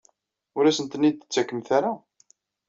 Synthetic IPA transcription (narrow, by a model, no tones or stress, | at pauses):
ʊɾæsənt̪ənːid̪θə̥t͡sːækːəmθaɾa